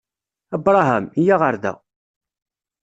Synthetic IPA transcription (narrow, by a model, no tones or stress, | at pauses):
æbɾˤɑɦæmjaʁəɾðæ̰